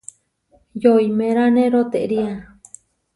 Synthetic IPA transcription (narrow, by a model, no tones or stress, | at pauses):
joimẽɾanẽɾot̪eʔɾia